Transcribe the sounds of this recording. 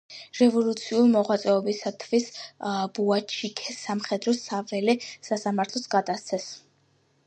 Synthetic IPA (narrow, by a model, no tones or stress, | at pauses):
ɾɛvɔlˠut̪sʰiulimɔʁwat̪sʼɛɔbisat̪ʰvisbuat͡ʃʰikʰɛsamχɛd̪ɾɔsavɛlisasamaɾt̪ʰlɔsɡad̪ast̪sʰɛs